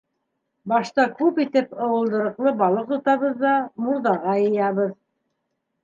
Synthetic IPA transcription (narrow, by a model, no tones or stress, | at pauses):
bɑʃt̪ɑkʉpit̪ɘpɤ̆wɤ̆lˠd̪ɤ̆ɾɤ̆qlˠɤbɑlˠɤq̚t̪ŏt̪ɑβɤðːɑmuɾðɑʁɑjɤ̆jɑβɤð